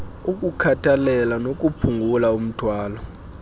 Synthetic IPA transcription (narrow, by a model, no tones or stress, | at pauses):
uk̬ʼukʰatʼʰalɛlanok̬ʼupʰuŋɡʱulaum̩tʰwaːlɔ